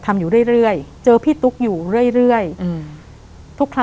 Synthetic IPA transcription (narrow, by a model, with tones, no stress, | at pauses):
t̪ʰa˧mjuː˨˩ɾɯ˥˩əjɾɯ˥˩əjt͡ɕɤː˧pʰiː˥˩t̪u˦˥k̚juː˨˩ɾɯ˥˩əjɾɯ˥˩əj | t̪ʰu˦˥kʰla˥